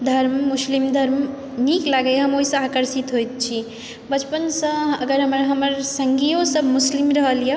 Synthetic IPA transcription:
d̪ʱəɾmːuslimd̪ʱəɾm | niklaɡəjɦəmoɦisə̃akəɾsit̪ɦojt̪̚t͡ʃʰi | bət͡ʃpənsə̃əɡəɾɦəməɾɦəməɾsəŋɡijosəbʱmuslimɾəɦəlje

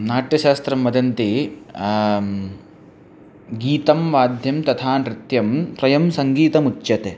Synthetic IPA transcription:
naːʈjɐʃaːst̪ɾɐmːɐd̪ʱɐnt̪i | ɡiːt̪ɐmʋaːd̪ʱjɐmt̪ɐt̪ʰaːnɾɪt̪jɐmt̪ɾɐjɐmsɐŋɡiːt̪ɐmutːjɐt̪e

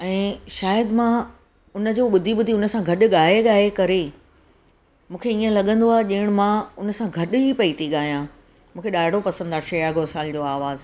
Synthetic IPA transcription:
ɛ̃ːʃaːjəd̪mã | ʊnə̆d͡ʑoːɓʊd̪ʱiɓʊd̪ʱiʊnə̆sãɡʱɐɗʊ̆ɠaːɦeɠaːɦekɐɾe | mũːkʰeiːə̃lɐɠə̃nd̪oaːɦeʄɐ̃ɦɪɽ̃mãʊnə̆sãɡʱɐɗɦipɐit̪ʰiɠaːɦijã | mũːkʰeɗaːɪɽopɐsə̃nd̪aːʃeːaɡoːsaːld͡ʑoːaːʋaːz

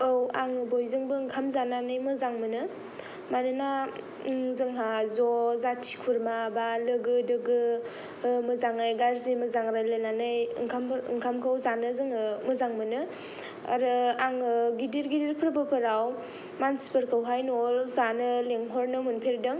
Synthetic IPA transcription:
ɯwaŋɯbojzɯŋbɯŋkʰamzananɯjmɯzaŋmɯnɯ | manɯna | ŋzɯŋɦazɔzatʰi̥kʰuɾmabalɯɡɯdɯɡɯ | mɯzaŋajɡaɾzimɯzaŋɾalɯnanɯjŋkʰamŋkʰamkʰawzanɯzɯŋɯmɯzaŋmɯnɯ | aɾɯaŋɯɡidiɾɡidiɾpʰɾbɯpʰɯɾaw | manspəɾkʰawɦajnɔzanɯleŋɦɔɾnɯmunpʰeɾdɯŋ

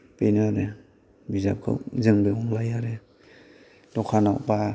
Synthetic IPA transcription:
penaɾe | bizap̚kʰɯ̰zɯŋbeɔŋlajaɾe | d̥ɔkʰanawba

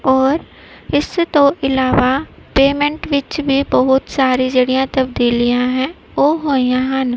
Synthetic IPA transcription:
ɔːɾ | ɪst̪õʔɪlaːʋaːpeːmɛ̃ɳʈʋɪt͡ʃbʱiːbəɦʊt̪saːɾid͡ʒeːɽijãːt̪əbd̪iːlijãɦɛ̃ː | oːɦoːijãːɦən

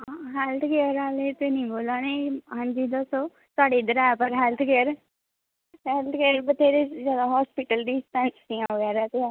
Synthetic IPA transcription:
aɦɛːlt̪ʰkeːəɾaːleːt̪eːnĩːboːlaːneːɦãːɲd͡ʒiːd̪əsoː | t̪ʊaːɖeːd̪əɾɛːpəɾɦɛːlt̪ʰkeːəɾ | ɦɛːlt̪ʰkeːəɾbət̪ʰeːɾeːzjaːd̪aːɦɔːspɪʈəlɖ̪iːsʈɛ̃nsd̪iːãːʋəɡɛːɾaːt̪eaː

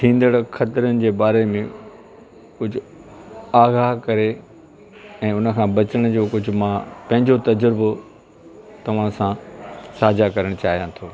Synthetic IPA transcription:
ʈ̪ʰĩːn̆d̪əɽkʰɐt̪ɪɾənɪ̆d͡ʑeːbaːɾemẽ | kʊd͡ʑʱʊ | aːɣaːɦkɐɾe | ɛ̃ːʊnə̆kʰãːbɐt͡ɕəɽ̃ʊd͡ʑoːkʊd͡ʑʱʊ̆mãːpɐ̃ɦɪ̃ɲd͡ʑot̪ɐd͡ʑəɾbo | t̪ɐʋ̤ãsãsaːd͡ʑakɐɾəɽ̃t͡ɕaːɦijãt̪ʰoː

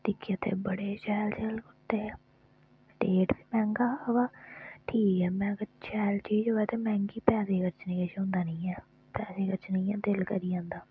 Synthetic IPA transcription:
t̪ɪkʰːiːət̪ʰḛːbəɽeːt͡ʃɛːlt͡ʃɛːlkʊʈːeː | ʈeːʈbiːmɛ̃ːŋɡaːʋaːʈʰiːkɛːmɛ̃ːkəɾt͡ʃʰɛːlt͡ʃiːd͡ʒɦoːɛːt̪eːmɛ̃ːŋɡiːpɛːseːkəɾt͡ʃnẽːkəʃɦʊ̃nd̪aːnĩːɛː | pɛːseːkəɾt͡ʃnəĩːãːd̪ɪlkəɾiːãːnd̪aː

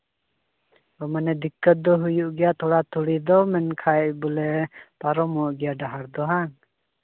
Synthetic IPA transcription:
ɔmanɛd̪ikːət̪̚d̪ɔɦujuʔɡɛjat̪ɔɽat̪uɽid̪ɔmɛnkʰaɛʔbɔlɛpaɾɔmɔʔɡɛjaɖaɦaɾd̪ɔɦaŋ

